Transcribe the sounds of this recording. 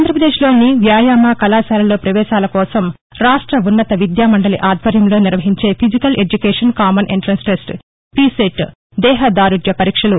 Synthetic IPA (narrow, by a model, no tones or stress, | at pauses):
nd̪ɾɐpɾɐd̪e̞ːʃlo̞ːniʋjaːjaːmaːkɐlaːsaːɾɐlo̞ːpɾɐʋɛːʃaːlɐkɔːsɐm | ɾaːʂʈɾɐunːɐt̪ɐʋid̪jaːmɐɳɖɐliʔaːd̪ʱʋɐɾjɐmloːniɾʋɐɦiɲt͡ʃe̞ːpʰid͡ʒikɐlʔe̞d͡ʒukeːʂɐnkaːmɐnʔeɳʈɾɐnsʈesʈ | piseʈ | d̪ɛːɦɐd̪aːɾud͡ʒjɐpɐɾiːkʂɐlu